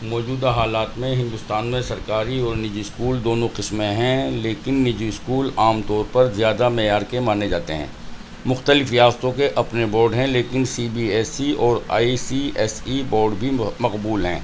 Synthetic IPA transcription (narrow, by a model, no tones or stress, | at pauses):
mɔːd͡ʒuːd̪aɦaːlaːt̪mẽɦɪ̃nd̪ʊst̪aːnmẽsɐɾkaːɾiɔːɾnɪd͡ʒuɪskuːld̪oːnõqɪsmẽɦɛ̃leːkɪnːɪd͡ʒiɪskuːlaːmt̪ɔːɾpɐɾzɪjaːd̪amɛːjaːɾkemaːned͡ʒaːt̪eɦɛ̰̃ː | mʊxt̪əlɪfɾijaːst̪õkeʔɐpnebɔːɾɖɦɛ̃leːkɪnsiːbiɛːsiɔːɾa̰ːisiɛːsibɔːɾɖbʱimɐqbuːlɦɛ̃ː